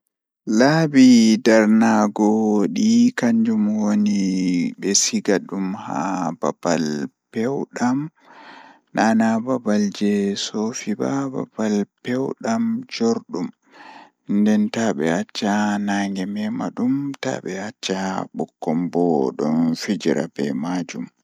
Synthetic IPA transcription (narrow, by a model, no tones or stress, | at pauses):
labidaɾnaɡɔɗikaɲd͡ʒumwoniɓɛsiɡaɗumha̰ba̰balpɛwɗam | nanababald͡ʒɛsofibaba̰balpɛwɗamd͡ʒoɾɗum | ndɛntaɓɛ̰at͡ʃːanaːŋɡɛmɛma̰ɗumta̰ɓɛat͡ʃːaɓɔkːɔmbɔɗɔ̰nfid͡ʒiɾa̰bɛ̰mad͡ʒum